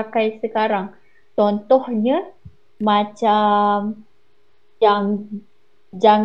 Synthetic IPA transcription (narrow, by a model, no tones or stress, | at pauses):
akajsəkaɾaŋ | t͡ʃɔnt̪ɔhɲa | mãt͡ʃam | jaŋ | d͡ʒaŋ